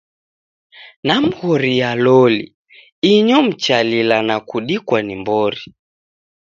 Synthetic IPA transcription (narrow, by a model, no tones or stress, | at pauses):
nam̩ɣɔɾijalɔlḭ | iɲɔm̩t͡ʃalilanakuɗikwanimbɔɾi